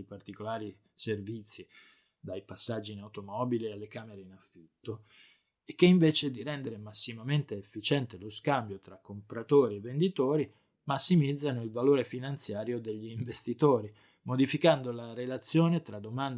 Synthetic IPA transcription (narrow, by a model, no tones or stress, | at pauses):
jpart̪ikolaːɾi | servit̪sːi | d̪ajpasːad͡ʒːinawt̪omɔːbilialːekaːmeɾeinafːit̪ːo | ek̟ːeiɱveːt͡ʃed̪iɾɛnd̪eɾemasːimament̪eːfːit͡ʃɛnt̪eloskambjot̪ɾakːompɾat̪oːɾievːend̪it̪oːɾi | masːimid̪zːanoilvaloːɾefinant̪sjaːɾjod̪eʎːiːɱvest̪it̪oːɾi | mod̪ifikand̪olaɾelat̪sːjoːnet̪ɾad̪ːomand̪